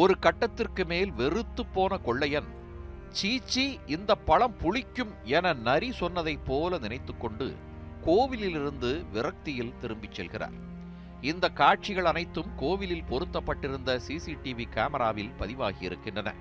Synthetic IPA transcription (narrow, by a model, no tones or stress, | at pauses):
ɔɾɯkɐʈːɐt̪ːɪrkɯmeːlʋɛrɯt̪ːɯpːoːnɐkɔɭːɐjɐn | t͡ʃiːt͡ʃːiɪnd̪ɐpːɐɭɐmpʊɻɪkʲːɯmɛnɐnɐɾisɔnːɐðɐɪpːoːlɐnɪnɐɪt̪ːɯkːɔɳɖɯ̰ | koːʋɪlɪlɪɾɯnd̪ɯʋɪrɐk̚t̪ɪjɪlt̪ɪɾɯmbɪt͡ʃːɛlɣɪra̰ːɾ | ɪnd̪ɐkːaːʈ̚t͡ʃɪɣɐɭɐnɐɪt̪ːɯmkoːʋɪlɪlpɔɾɯt̪ːɐpːɐʈːɪɾɯnd̪ɐsiːsiʈiʋikaːmɐɾaːʋɪlpɐðɪʋaːɣɪjɪ̰ɾɯkːɪɳdrɐnɐ̰